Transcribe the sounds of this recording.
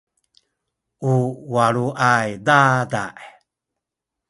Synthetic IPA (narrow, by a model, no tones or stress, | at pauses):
uwaɾuʔajdadaʔe